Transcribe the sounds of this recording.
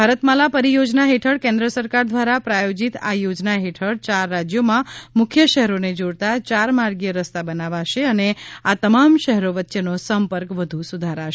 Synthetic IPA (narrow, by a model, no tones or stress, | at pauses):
bʱaɾət̪malapəɾijod͡ʒnaɦeʈʰəɽkẽnd̪ɾəsəɾkaɾd̪ʋaɾapɾajod͡ʒit̪ajod͡ʒnaɦeʈʰəɽt͡ʃaɾːad͡ʒjomãmʊkʰjəʃɛɦɛɾoned͡ʒoɽt̪at͡ʃaɾmaɾɡijəɾəst̪abənaʋaʃeəneat̪əmamʃɛɦɾoʋətːʃenosəmpəɾkʋəd̪ʱusud̪ʱaɾaʃe